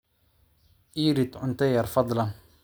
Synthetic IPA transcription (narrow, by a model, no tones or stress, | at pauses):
ʔiːɾit̪ʕʊnt̪ajɑɾˤfɑd̪ˤlɑn